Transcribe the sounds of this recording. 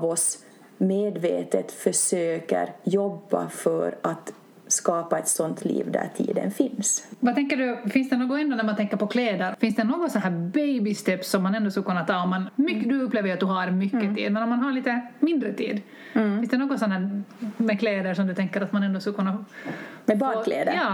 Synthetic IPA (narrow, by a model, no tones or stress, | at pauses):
vɔs | meːd̪veːt̪ət̪fœʂøːkə̰ɾjɔbːa̰fœɾat̪ | skɑːpaɛt̪sɔnt̪ʰlḭːvd̪æ̰t̪ʰḭːd̪ə̰nfɪnsvat̪ʰɛŋkːəɖɵfɪnsd̪ɛnoːɡɔɛnd̪oːnæɾmant̪ʰɛŋkːəɾpɔkʰleːd̪əɾfɪnsd̪ɛnoːɡɔt̪sɔnɦæːɾbejbɪst̪ʰɛpsːɔmːanɛnd̪oːskəkɵnːat̪ʰɑːɔmːanmʏkːd̪ʉɵpːleːvəɾat̪̚d̪ɵɦaɾmʏkːəḭːd̪mɛnɔmanɦaɭiːt̪əmɪnd̪ɾət̪ʰḭːd̪ | fɪnsd̪ɛnoːɡɔnsɔnhæːɾmɛkʰleːd̪əɾʂɔmd̪ɵt̪ʰɛŋkːəɾat̪manɛnd̪oɔskəkʰɵnːamɛbɑːlḛːd̪əjɑː